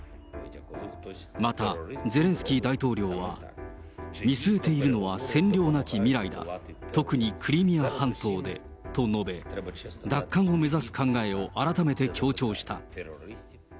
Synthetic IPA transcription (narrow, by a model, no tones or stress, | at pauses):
mat̪aze̞ɾẽ̞ɰ̃sɨ̥kʲiːd̪ait̪o̞ːɾʲo̞ːβa̰ | mʲisɨe̞t̪e̞iɾɯ̟no̞βasẽ̞nɾʲo̞ːnakʲimʲiɾaid̪a̰t̪o̞kɯ̟ɲ̟ikʰɯ̟ɾʲimʲiahãnt̪o̞ːd̪e̞̰ | t̪o̞no̞be̞d̪akːãɰ̃o̞me̞zasɨ̥kãŋɡae̞o̞ʔaɾat̪ame̞t̪e̞kʲo̞ːt͡ɕo̞ːɕi̥t̪a̰